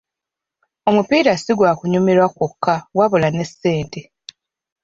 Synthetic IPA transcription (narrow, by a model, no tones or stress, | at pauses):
o̞mupiːɾasiɡwakuɲumiɾwakokʰːawaβolane̞sːe̞ːnte̞